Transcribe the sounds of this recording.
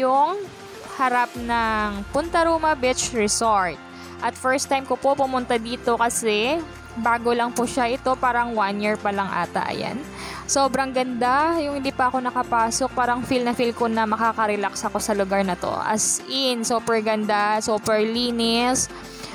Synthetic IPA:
jʊŋ | hɐɾap̚nɐŋpʊnt̪ɐɾuːmɐbɪt͡ʃɹɛsoɹt̪̚ | ʔɐt̪fɛɹst̪ːajmkopo̞pʊmʊnt̪ad̪iːt̪o̞kɐsɛ | baːɡolɐŋpʊʃaʔɪt̪o̞paːɾɐŋwanjiɹpɐlɐŋʔa̰ːt̪ɐ̰ʔɐ̰ja̰n | soːbɾɐŋɡɐnd̪ajʊŋhɪnd̪iːpɐʔɐko̞nɐkɐpaːsok̚paːɾɐŋfilnɐfilkonɐmɐkaːkɐɾɛlaksɐko̞sɐlʊɡaɾnɐt̪o̰ʔɐ̰sʔɪnsuːpɛɹɡɐnd̪asuːpɛɹliːnɪs

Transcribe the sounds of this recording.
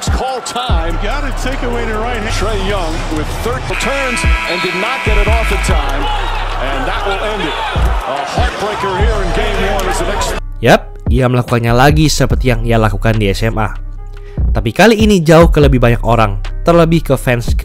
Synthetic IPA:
skʰɔlˠtʰãɪ̃mjɑɾɨtʰeɪkɨ̃wɪ̃nəɹaɪt̚hɪtʰɹeɪjʌ̃ŋ | wɪð̥θɜ˞d̚ətʰɜ̃˞nzɨ̃ndɨdⁿnət̚ɡ̥ɛɾɨɾɔfɨtʰãɪ̃mɨ̃nðɨʔ̚wəlˠɛ̃ndɪt̚əhɑɹt̚b̥ɹeɪkə˞hiɹɨ̃nɡẽɪ̃vmiə̃nɨzɨnɛks | jɛp̚iaməlakukanɲalaɡisəpərt̪ijaŋijalakukandiɛsɛmʔa̰ | t̪apikaliːnid͡ʒaʊhkələbɪhɦbaɲakoɾaŋt̪ərləbɪhkəfɛnsk

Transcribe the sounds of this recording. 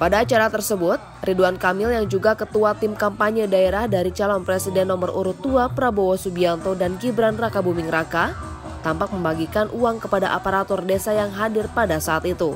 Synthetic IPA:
padaːt͡ʃaɾat̪ərsəbʊt̪̚riduankamɪljaŋd͡ʒuɡakət̪uat̪ɪmkampaɲədaeɾahdaɾit͡ʃalɔnpɾesidɛnːɔmərʔṵɾut̪uapɾabowosubiant̪odankibɾanrakabumɪŋraka | t̪ampak̚məmbaɡikanʔuaŋkəpadaʔapaɾat̪ɔrdesajaŋɦadɪrpadasaːt̪it̪u

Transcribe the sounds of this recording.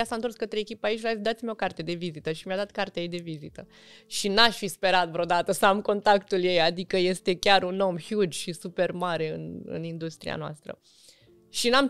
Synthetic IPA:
jasant̪oskət̪ɾeekʲipait͡ʃʲlad̪at̪sʲimʲo̞kart̪e̞d̪e̞vizit̪əʃimjad̪at̪kart̪eaed̪e̞vizit̪ə | ʃinaʃfispe̞ɾat̪vɾʲod̪at̪əsəamko̞nt̪akt̪ulje̞jad̪ikəje̞st̪e̞kʲaɾuno̞mhjud͡ʒʃisupe̞rmaɾe̞ɨnɨ̰nind̪ust̪ɾḭa̰noa̰st̪ɾə̰ | ʃinam

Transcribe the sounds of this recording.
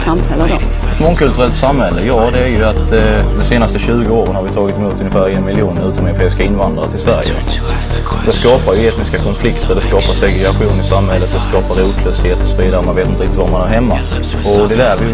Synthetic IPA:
samhɛlːəd̪ɔ | ɛt̪mɔŋkʰɵlt̪ɵɾɛlt̪samhɛlːəjɑːd̪ɛæɾjɵat̪d̪ɔseːnast̪əɕʉ̟ːɡəoːɾənhaɾvɪt̪ʰɑːɡɪt̪ɛmuːt̪ɵnjəfæːɾɛnmɪlɪuːnɾʉ̟ːt̪ɔmɛɾʊpʰeːɪskaɪnvand̪ɾaʈʰɪlsvæɾjə̰ | d̪ɛskɑːpaɾjɵeːt̪nɪskakʰɔnflɪkt̪əɖɛskɑːpaʂɛɡɾɛɡaɧuːnɪsamhɛlːət̪̚d̪ɛskɑːpaɾuːt̪ʰløːsheːt̪ɔsɔviːd̪aɾəmanveːt̪ɪnɾɪkt̪ɪt̪vaɾmanhaɾhɛmːa̰ | ɔd̪ɛlæːvəɾjɵ

